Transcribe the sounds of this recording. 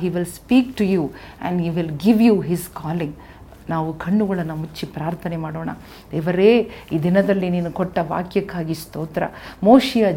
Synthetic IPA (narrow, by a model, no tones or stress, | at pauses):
ɦiːʋilspiːkʈujuː | ɛ̰̃ɳɖɦiːʋilɡiʋjuɦizkaːliŋɡ | naːʋukʰɐɳːuɡɐɭɐnːɐmut͡ʃːipɾaːɾt̪ʰɐnɛmaːɽoːɳɐ̰ | d̪ɛːʋɐɾeːiːd̪inɐd̪ɐlːiniːnukɔʈːɐʋa̰ːkʰjɐkaːɡist̪oːt̪ɐɾɐ̰moːʂijɐ